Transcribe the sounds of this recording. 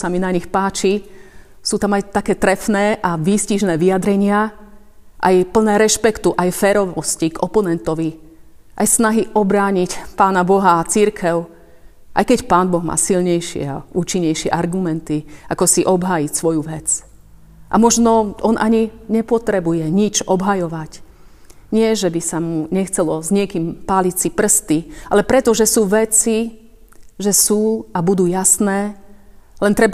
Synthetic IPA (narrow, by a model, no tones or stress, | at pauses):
saminaɲixpaːt͡ʃi | suːt̪amajt̪akɛːt̪ɾɛfnɛːʔaʋiːsciʒnɛːʋiad̪ɾɛɲɪa | ʔa̰jpl̩nɛːɾɛʃpɛkt̪uʔajfɛːɾɔʋɔsciɡɔpɔnɛnt̪ɔʋi | ʔajsnaɦiʔɔbɾaːɲicpaːnabɔɦat͡siɾkʰɛʊ | ʔa̰jkɛcpaːnbɔɣma̰ːsilɲɛjʃɪɛ̰a̰uːt͡ʃiɲːɛjʃɪɛ̰ʔaɾɡumɛnt̪iakɔsiʔɔbɦaːjicsʋɔjuʋɛt͡s | ʔa̰mɔʒnɔɔnʔaɲiɲɛpɔt̪ɾɛbujɛɲit͡ʃɔbɦajɔʋac | ɲɪɛʒɛbisamuɲɛxt͡sɛlɔzɲɪɛkiːmpaːlit͡sipr̩st̪ialɛpɾɛt̪ɔʒɛsuːʋɛt͡si | ʒɛsuːabud̪uːjasnɛː | lɛnt̪ɾɛb